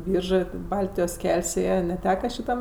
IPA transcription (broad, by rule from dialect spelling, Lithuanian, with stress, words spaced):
ˈbʲiːrʒɜ tʲɪ ˈbɐlʲtʲɪjoːs ˈkʲɛlʲsʲ ˈeːjɛ nʲɛˈtʲæːkɐ ʃʲɪˈtɐm